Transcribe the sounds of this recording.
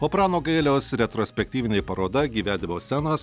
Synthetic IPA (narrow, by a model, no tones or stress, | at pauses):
oːpɾɑːnoːɡɐɪlʲoːsɾʲɛt̪ɾɔsʲpʲɛk̚ʲt̪ʲiːʋʲɪnʲepɐɾoːd̪ɐɡʲiːʋʲæːd̪ʲɪmoːsʲænɐːs